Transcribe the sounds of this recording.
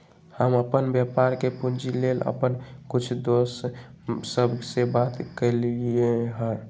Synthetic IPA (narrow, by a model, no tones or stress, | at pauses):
həməpənbjəpaɾkepund͡ʒilelə̰pənkut͡ʃʰd̪osː | əbʱsebat̪kəlieɦə̃